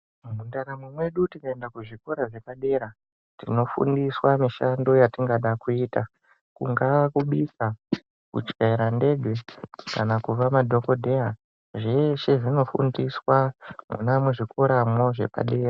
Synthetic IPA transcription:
mundaɾamumwe̞ɗutikaendakuʐiko̞ɾaʐe̞paɗe̞ːɾa | tino̞fṵndiswamiʃando̞jatiŋɡaɗakuiːta | kṵŋɡakuɓisa | kṵt͡ʃkeiɾande̞ɡwe̞kanakuʋamadʱo̞ko̞dʱe̞a | ʐeʃe̞ʐino̞fṵndiswamṵnamuʐikoɾamo̞ʐe̞̰pa̰ɗe̞ːra

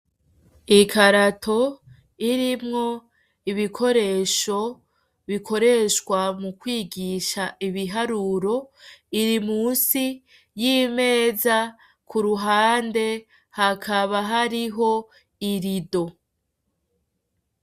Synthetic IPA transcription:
ikʰaɾatʰo̞ | iɾimŋo̞ | iβikʰo̞ɾe̞ʃo̞ | βikʰo̞ɾe̞ʃkwamukwiːɡiʃaiβiɦaɾuɾo̞iɾimuːnsi | jiːme̞ːza | kʰuɾuɦaːnde̞ | hakʰaβaɦaɾiɦo̞ | iɾido̞

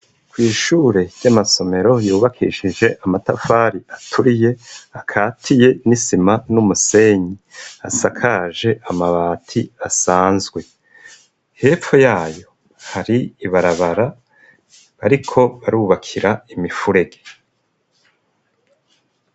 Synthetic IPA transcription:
kwiːʃuːɾe̞ɾɟamaso̞me̞ɾo̞juːβakʰiʃid͡ʒe̞ʔamatafaːɾiʔatʰuɾije̞akʰaːtʰije̞nisimanumuse̞ɲia̰sakʰaʒe̞ʔamaβaːtʰiasaːnzɡwe̞ | he̞ːp͡fojaːjo̞ | haɾiiβaɾaβaɾa | βaɾikʰo̞βaɾuːβakʰiɾaimifuɾe̞ɡe

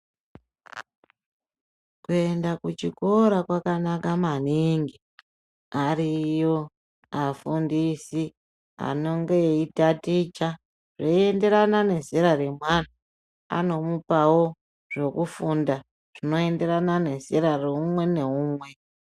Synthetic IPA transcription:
kue̞ndakut͡ʃiko̞ɾakwakanakamaniŋɡi | aɾijo | afundisi | a̰no̞ŋɡe̞itatit͡ʃa | ʐeie̞nde̞ɾanane̞ziɾaɾe̞mwan̤a | a̰no̞mupawo̞ | ʐo̞kufunda | ʐ̥ino̞e̞nde̞ɾanane̞ziɾareumwe̞ne̞uːmwe̞

